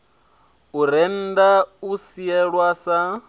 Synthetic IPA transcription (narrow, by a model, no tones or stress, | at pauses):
uɾɛn̩dausiɛɺwasa